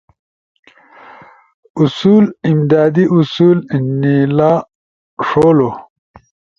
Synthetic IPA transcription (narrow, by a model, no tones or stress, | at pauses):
usuːlimd̪aːd̪iusuːlnilaː | ʂoːlo